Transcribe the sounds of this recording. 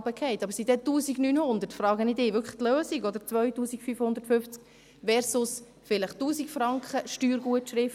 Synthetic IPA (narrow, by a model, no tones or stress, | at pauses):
bəkʰɛɪtɑbəɾsidɛtuːsiɡnyːnhʊnd̪əɾtfɾɑːɡənɪdɪːʋʏɾkʰə̥t̪løːsiɡɔd̪əɾt͡sʋœɥtuːsikfyfhʊnd̪əɾtfʏft͡sk | ʋɛɾsʊs | fɪləχtuːsikfɾɑŋkχəʃtyːɾɡuətʃɾɪft